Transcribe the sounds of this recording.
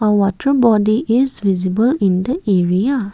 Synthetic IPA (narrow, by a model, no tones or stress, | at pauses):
əwɔtʰəɹbɔdiʔizvizibəlĩnd̪əeɹija